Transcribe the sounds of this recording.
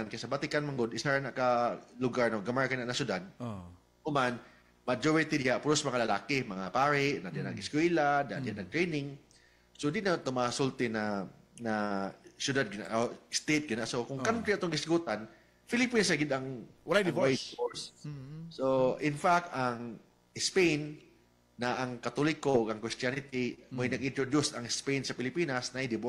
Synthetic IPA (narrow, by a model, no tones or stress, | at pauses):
ankajsɐbat̪ɪkanmaŋɡod̪ɪsaɾanakalʊɡaɹnoɡamaɹkanaʔnasjʊd̪ad̪̚ | ʊman | mad͡ʒoɹɪt̪idɪaʔpʊɾosmɐŋalɐlaːkɪmɐŋapaːɾɪʔnad̪ɪanɐŋɡɪskwiːlad̪ad̪ɪjaʔnɐŋt̪ɹejnɪŋ | sod̪ɪnat̪ʊmasʊlt̪ɪna | nasjʊd̪ad̪̚ɡɪna̰ʔost̪et̪̚ɡɪnasokʊŋkant̪ɾiɐt̪oŋɡɪsɪɡuːt̪an | fɪlɪpinsɐɡɪd̪ɐŋwɐlajd̪ɪvsoɹssoʔɪnfak̚t̪aŋ | ɪspejnː | aʔaŋkɐt̪olɪkoʔoɡɐŋkɾist̪anɪt̪ɪmojnɐɡɪnt̪ɾod̪usɐŋɪspejnsɐpɪlɪpiːnasnɐʔid̪ɪbʔ